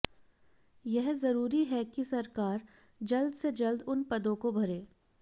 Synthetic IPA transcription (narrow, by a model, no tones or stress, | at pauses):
jɛɦzɐɾuːɾiɦɛkisɐɾkaːɾ | d͡ʒɐld̪sed͡ʒɐld̪ʊnpɐd̪õkobʱɐɾeː